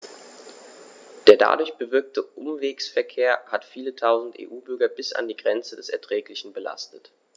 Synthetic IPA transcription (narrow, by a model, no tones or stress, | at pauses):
d̥eːɐda̰dʊɐçb̥əvɪɐk̚tʰəʔʊmveːksfɛɐkʰeːɐhatfiːlətʰaʊzn̩tʔḛːʔuːbʏɐɡɐbɪsa̰ndiːɡʁɛnt͡sədɛsɛɐtʁ̥ɛːklɪçn̩bəla̰stət